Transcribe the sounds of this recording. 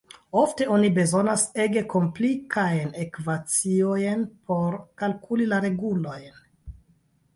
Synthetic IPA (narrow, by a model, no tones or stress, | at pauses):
o̞fte̞o̞nibe̞zo̞nase̞ɡe̞ko̞mplikʰajne̞kvat͡siojnpʰo̞ɾkalkulilaɾe̞ɡulo̞jn